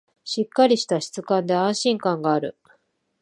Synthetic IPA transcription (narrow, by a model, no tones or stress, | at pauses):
ɕikːaɾʲiɕi̥t̪aɕi̥t͡sɨkãnd̪e̞ãɰ̃ɕĩŋkãŋɡaːɾɯ̟